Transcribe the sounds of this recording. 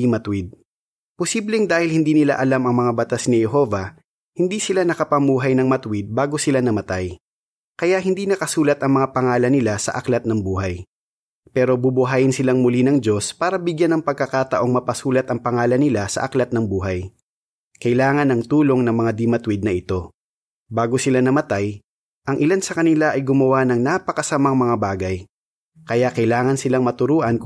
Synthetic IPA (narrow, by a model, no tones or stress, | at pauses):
imɐt̪wɪd̪̚ | posiblɛŋd̪aːhɪlhɪnd̪iːnɪla̰ʔɐlamɐŋmɐŋabɐt̪asnɪjɛɦo̞vɐ | hɪnd̪iːsɪlanɐkɐpɐmuːɦɐjnɐŋmɐt̪ʊwɪd̪̚baːɡo̞sɪlanɐmɐt̪aj | kɐjaʔɦhɪnd̪iːnɐkɐsuːlɐt̪ɐŋmɐŋapɐŋaːlɐnɪlasɐ̰ʔɐklɐt̪̚nɐŋbuːɦɐj | pɛːɾo̞bubʊɦaːjɪnsɪlaŋmʊlinɐŋd͡ʒo̞spaːɾɐbɪɡjanːɐŋpɐɡ̚kɐkaːt̪ɐʔo̞ŋmɐpɐsuːlɐt̪ɐŋpɐŋaːlɐnɪlasɐ̰ʔɐklɐt̪̚nɐŋbuːɦɐj | kɐɪlaːŋɐnɐŋt̪uːlo̞ŋnɐŋmɐŋad̪ɪmɐt̪wɪd̪̚nɐʔɪt̪o̞ | baːɡosɪlanɐmɐt̪aj | ʔɐŋʔɪlansɐkɐnɪlaʔɐjɡʊmɐwanɐŋnaːpɐkɐsɐmaŋmɐŋabaːɡɐj | kɐjaʔkɐjlaːŋɐnsɪlaŋmɐt̪ʊɾuːʔɐn